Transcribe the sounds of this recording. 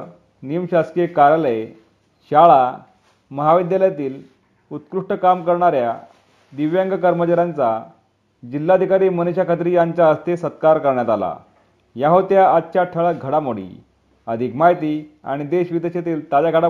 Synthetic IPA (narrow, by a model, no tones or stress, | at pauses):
nimɕaskekaɾjaləj | ɕaɭa | məɦaʋid̪jaljat̪iːl | ut̪kɾuʂʈəkamkəɾɳaɾja | d̪iʋjãŋɡəkəɾmət͡ɕaɾjãnt͡sa | d͡ʑilːad̪ʱikaɾiːməneɕakʰət̪̬ɾiːjaɲt͡ɕaəst̪esət̪̚kaɾkəɾɳjat̪ala̰ | jaɦot̪jaatːɕaʈʰəɭəɡʱəɽamoɽḭː | əd̪ʱikmaɦjt̪ia̰ɽ̃id̪eɕʋid̪eɕet̪iːlt̪ad͡ʑaɡʱəɽa